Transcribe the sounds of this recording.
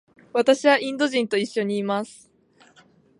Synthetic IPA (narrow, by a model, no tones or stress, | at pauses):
βat̪aɕiβaʔĩnd̪o̞ʑĩnt̪o̞iɕːo̞ɲ̟iːmasɨ̥